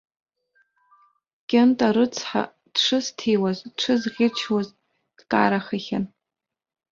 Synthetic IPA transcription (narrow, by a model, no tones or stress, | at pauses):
kʲʼentʼaɾɨt͡sʰħa̰ | d̥ʂɨztʰejwazʈ͡ʂʷʰɨzʁʲɪt͡ʃʰwaz | d̥kʼa̰ɾaχaχʲan